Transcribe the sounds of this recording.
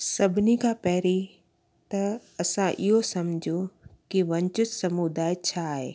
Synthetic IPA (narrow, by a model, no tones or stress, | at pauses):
sɐbʱɪnikʰãpɛɦɾi | t̪ɐ | ɐsãʔɪɦosɐmd͡ʑʱũkiʋɐ̃ɲt͡ʃʊt̪sɐmud̪aːɪt͡ɕʰaːɦḛː